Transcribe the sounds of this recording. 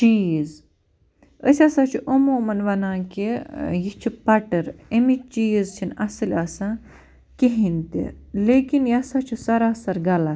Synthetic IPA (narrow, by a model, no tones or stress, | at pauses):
t͡ʃiːz | ə̰sʲasat͡ʃʰuʔomuːmɐnʋɐnãːkejit͡ʃʰipɐʈɐɾemit͡ʃiːzt͡ʃʰinɐsɨlʲaːsã | keɦint̪ḭleːkinjasaːt͡ʃʰusɐɾaːsɐɾɡɐla